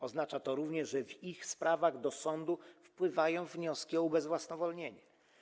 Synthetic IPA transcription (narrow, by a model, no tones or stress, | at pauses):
ɔznat͡ʂat̪ɔɾuvɲɛʐʐɛvixspɾʔavaɣd̪ɔsɔnd̪ufpwɘvajɔ̃w̃vɲɔskʲiɔubɛzvwasnɔvɔlɲeɲɛ